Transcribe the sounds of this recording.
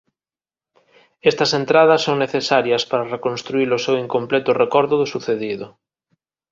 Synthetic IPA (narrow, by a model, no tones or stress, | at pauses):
ɛst̪ɐsent̪ɾað̞ɐsːoŋneθesaɾjɐspaɾɐrekõnst̪ɾuilʊsewiŋkomplɛt̪ʊrekɔɾðʊðʊsuθeðiðʊ